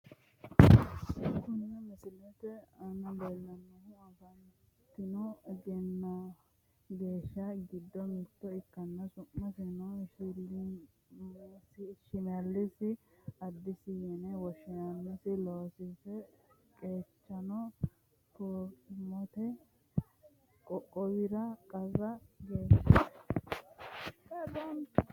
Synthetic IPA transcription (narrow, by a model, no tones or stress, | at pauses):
kʊnɪnɛmɪsɪlɛt̪ɛɐnɐbɛlːɐnːɐhɪɐɡɐn | t̪ːɪnɔɡɛnːɐ | ɡeːʃːɐɡɪd̪ːɔmɪt̪ːɔɪkːɐnːɐsʊmːɐsɪnɔʃɪl | sɪʃɪmɐlːɪsɪɐd̪ːɪsɪjɛnɛwɔʃɪnɐnːɪsɪloːsɪsɛ | kʼeːt͡ʃːɐnɔ | t̪oːkɪmɔt̪ɛ | kʼɔkʼːɔwɪɾɐkʼɐzɐɡe̞ːʃːɐ | ɛd̪ɐn